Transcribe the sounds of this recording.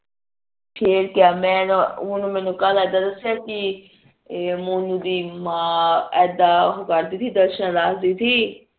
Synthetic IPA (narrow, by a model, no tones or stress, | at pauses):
pʰɪɾkjaːmɛ̃ːnunũːmɛ̃ːnũːkəlɛːd̪aːd̪əsjaki | muːnũːd̪iːmãːɛːd̪aːɦokəɾd̪iːt̪ʰiːd̪əɾʃə̃ɾaːsd̪iːt̪ʰiː